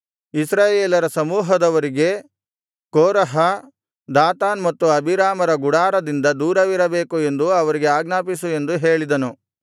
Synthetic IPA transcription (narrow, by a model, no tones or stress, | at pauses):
isɾaːjeːlɐɾɐsɐmuːɦɐd̪ɐʋɐɾiɡe̞ | koːɾɐɦɐ | d̪aːt̪aːnmɐt̪ːuɐbʱiɾaːmɐɾɐɡuɽaːɾɐd̪ind̪ɐd̪uːɾɐʋiɾɐbe̞ːkue̞nd̪uɐʋɐɾiɡe̞aːɡnaːpisue̞nd̪uɦe̞ːɭid̪ɐnu